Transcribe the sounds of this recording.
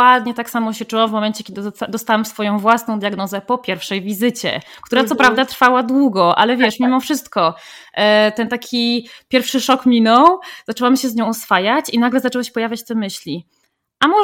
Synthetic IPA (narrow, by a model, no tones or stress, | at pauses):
wad̪ɲɛt̪aksamɔɕɛt͡ʂuwamvmɔmɛnt͡ɕɛkʲjɛd̪ɘd̪ɔst̪awamfsfɔjɔ̃w̃vwasnɔ̃w̃d̪jaɡnɔzɛpɔpʲjɛɾfʂɛjvʲizɘt͡ɕɛ̰kt̪uɾat̪sɔpɾavd̪at̪ɾfawad̪wuɡɔʔa̰lɛvʲjɛʂmʲimɔfʂɘst̪kɔ | t̪ɛnt̪akʲʰipʲjɛɾfʂɘʂɔkmʲinɔwz̥at͡ʂɛwamɕɛzɲɔ̃w̃ɔsfajat͡ɕinaɡlɛzatɛwaɕɛ̥pɔjavʲjat͡ɕt̪ɛmɘɕlʲi | ʔamɔ